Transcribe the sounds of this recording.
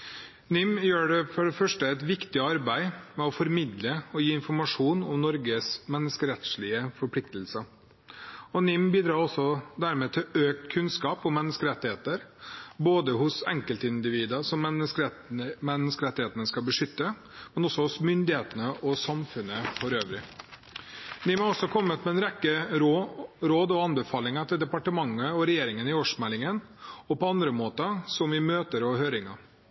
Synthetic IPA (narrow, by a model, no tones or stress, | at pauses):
nɪmjøːɖɛfɔɖɛfœʂʈəɛɪt̪ʋɪkt̪ɪəɑɾbæɪmɛɔfɔɾmɪd̪ləɔjiːɪnfɔɾmɑʂuːnɔmnɔɾɡəsmɛnːəskəɾɛt̪ʂɭɪəfɔɾpʰlɪkt̪əlsə | ɔnɪmbiːd̪ɾɑːɾɔsːɔd̪æɾmɛːt̪ʰɪløːk̚t̪kʰʉnskɑːpɔmɛnːəskəɾɛt̪ːɪheːt̪əɾboːd̪əɦʊsɛŋkəlt̪əɪnd̪ɪʋiːd̪əsɔməs | mɛnːəskəɾɛt̪ːɪheːt̪ənəskɑlbəʂʏt̪ːə | mɛnɔsːɔhʊsmʏnd̪ɪheːt̪ənəʔɔsɑmfʉnːəfɔɾøːʋɾɪ | nɪmɔɔsːɔkʰɔmːət̪mɛɛnɾɛkːəɾɾoːd̪ɔɑnbəfɑːlɪŋɑt̪ʰɪld̪ɛpɑʈəmɑŋːəɔɾɛjeːɾɪŋənɪoɔʂmɛlːɪŋən | ɔpɔɑnd̪ɾəmoːt̪əsɔmɪmøːt̪əɾɔɦøːɾɪŋɑ